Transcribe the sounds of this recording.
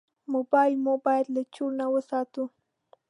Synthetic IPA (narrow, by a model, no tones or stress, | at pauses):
mobɑjlmobɑjlːat͡ʃʊɾnawəsɑt̪u